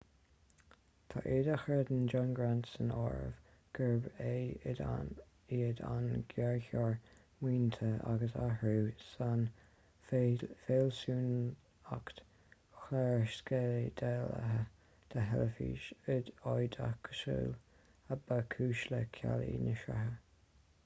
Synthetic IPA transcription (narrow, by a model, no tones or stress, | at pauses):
t̪ʰaʔeːd̪axɹəd̪ənd͡ʒanɡɹant̪sənɔɹə̰v | ɡ̥əɹbeɪda | iːəd̪a̰nɡɛɹçɔɹ | wiːnt̪ʰəa̰ɡəsa̰hɹuːsan | feːlsuːn | akt̪ | xlɛɹʃsked̪ɛːlə̰ɦə | d̪̥ʰəɦɛləfḭːʃɪd̪ɔjd̪akʰə̥ʃṵːl | əbakʰuːʃləkʰa̰lḭːnəʃa̰ɦə